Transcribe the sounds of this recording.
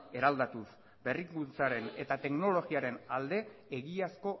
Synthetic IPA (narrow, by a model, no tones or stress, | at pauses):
e̞ɾald̪at̪us | be̞rikunt͡saɾe̞ne̞t̪at̪e̞kno̞lo̞ɣiaɾe̞nald̪e̞ːɣiasko̞